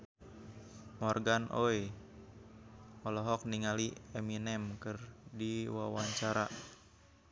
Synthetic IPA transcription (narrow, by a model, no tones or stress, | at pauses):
mɔrɡanʔoe | ɔlɔɦɔk̚niŋaliɛminɛmkɨrdiwawaɲt͡ʃaɾa